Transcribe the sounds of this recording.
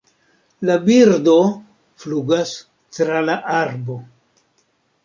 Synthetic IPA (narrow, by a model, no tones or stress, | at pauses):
labiɾdo̞ | fluɡas | tɾalaʔaɾbo̞